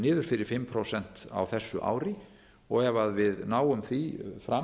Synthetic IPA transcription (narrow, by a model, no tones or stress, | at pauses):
nɪːðʏɾ̥fɪɾɪɾ̥fɪmːpʰɾowsɛn̥t̪a̰wθɛsːʏʔa̰ːwɾɪ | ɔɣɛvaðvɪðnaːwʏmθifɾa